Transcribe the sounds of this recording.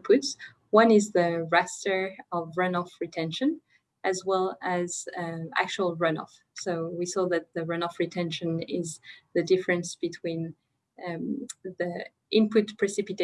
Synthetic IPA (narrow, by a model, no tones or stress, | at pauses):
pʰʊts | wʌ̃nɪzðɨɹæstə˞ʌvɹʌ̃nɔfɹitʰɛ̃nʃɨ̃n | ʔɨzwɛlˠɨz̥æ̰k̚t͡ʃuəl̩ˠɹʌ̃nɔ̰f | soʊwisɔðɨt̪̚ðɨɹʌ̃nɔfɹitʰɛ̃nʃɨ̃nɪzðɨdɪfəɹɨ̃nsb̥ɨtʰw̥ĩn | ðɨ | ʔɪ̃npʰʊt̚pʰɹ̥ɨsɪpɨt